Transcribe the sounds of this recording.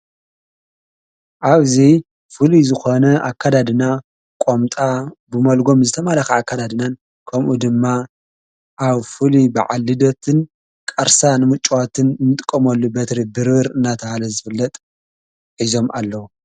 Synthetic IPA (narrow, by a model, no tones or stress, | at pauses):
ʔaβzi | fɨlizɨxo̞nɐakʰːad̪ad̪ɨna | kʷʼomt̪ʼabɨmɐlɡo̞mzɨt̪ʰɐmalaxɐakːad̪ad̪ɨnan | kʰɐmʔud̪ɨmːa | ʔaβfɨlibaʕalːɨd̪ot̪ʰɨn | kʼɐɾsanɨmɨt͡ʃʼwat̪ʰɨnnɨt̪ʼɨ̥kʼːɐmɐlːubɐt̪ɾibɨɾɨɾɨnːat̪ʰɐhalɐzɨfɨlːɐt̪ʼ | ħizo̞mʔalːɐwu